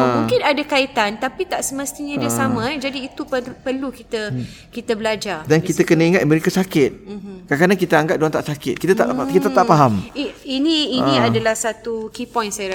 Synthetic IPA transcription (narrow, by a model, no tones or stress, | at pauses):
mũŋkɪnadakait̪ant̪apit̪aʔsəməst̪iɲãdiasamãɛd͡ʒadiːt̪upəpərlukit̪ə | kit̪abəlad͡ʒadankit̪akənəiŋat̪məɾikasakɪt̪̚kakanaŋkit̪aaŋɡap̚doant̪aʔsakɪt̪̚kit̪at̪aʔkit̪at̪aʔpaɦamiinĩːnĩadalahsat̪ukipɔ̃jnsajɾa